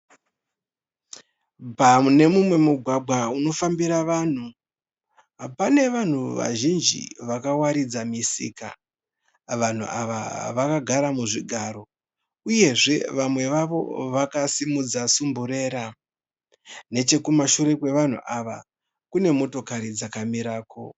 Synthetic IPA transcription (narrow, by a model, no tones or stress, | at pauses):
pane̞mumwe̞muɡʱwaɡ͡bʱwauno̞fambiɾaʋan̤u | ɦapane̞ʋan̤uʋa̰ʒind͡ʒḭʋakawaɾid͡zamisḭka̰ | ʋan̤ṵʔaʋa̰ʋakaɡʱaɾamuʐiɡʱaɾo̞ | uje̞ʐe̞ʋamwe̞ʋaʋo̞̰ʋakasimud͡zasumbuɾe̞ːɾa | ne̞t͡ʃe̞kumaʃuɾe̞kwe̞ʋan̤ṵʔaʋa | kune̞mo̞to̞kaɾid͡zakamiɾaːko̰